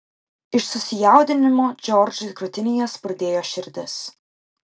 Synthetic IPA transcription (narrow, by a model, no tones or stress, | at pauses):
ɪʃsʊsʲɪjɛˑʊd̪ʲɪnʲɪmoːd͡ʒʲɔɾʲd͡ʒʲʊkɾʊt̪ʲɪnʲɪjoːspɾɐd̪ʲeːjoːʃʲɪɾʲd̪ʲɪs